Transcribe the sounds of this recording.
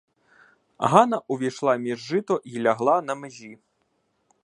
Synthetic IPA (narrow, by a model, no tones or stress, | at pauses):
ɦanɐʔuvʲijʂlˠamʲiʐːɨt̪ɔʔilʲaɣlˠanɐmɨzʲi